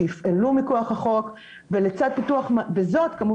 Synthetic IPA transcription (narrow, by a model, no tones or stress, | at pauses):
ifelumikoaχaχo̞k | velet͡sad̪̚pit̪uaχmvezo̞t̪kamu